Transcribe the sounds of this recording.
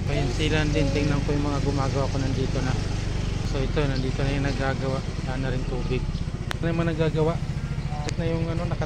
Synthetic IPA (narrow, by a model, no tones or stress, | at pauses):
pɐjɪnsiland̪ɪnt̪ɪŋnɐŋkojʊŋmɐŋaɡʊmaːɡɐwakonɐnd̪iːt̪o̞nɐ | soɪt̪onɐnd̪iːt̪onɐjʊŋnɐɡaːɡɐwaʔlaʔnɐɾɪnt̪uːbɪɡ̚nɐmaŋnɐɡaɡɐwaʔɛt̪̚nɐjʊŋɐno̞nɐkɐ